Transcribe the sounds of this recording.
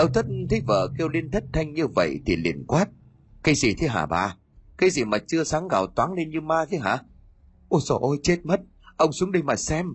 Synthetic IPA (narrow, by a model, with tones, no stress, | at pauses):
ɗə˧˦wt̪ʰə˦˥t̚t̪ʰə˨˦jvə̰ː˧˨ke˧əwli˧ənt̪ʰə˦˥t̚t̪ʰa˧jŋ̟ɲɨ˧və̰˧˨jt̪ʰi˨˩lḭ˧˩ənkwaː˦˥t̚ | kaː˨˦jzi˨˩t̪ʰi˨˦ɦaː˧˩ɓa̰ː˨˩ | kaː˨˦jzi˨˩maː˨˩t͡ɕɨ˧əsaː˨˦ŋɣa̰˧˨˩wt̪waː˨˦ŋle˧nɲɨ˧maː˧t̪ʰi˨˦ɦa̰ː˧˩ | ʔo˧˩sɔ˧˩ʔo˧jt͡ɕe˦˥t̚mə˦˥t̚ | ʔə˧wŋ͡msu˨˦ŋ͡mɗi˧jmaː˨˩sɛ˧m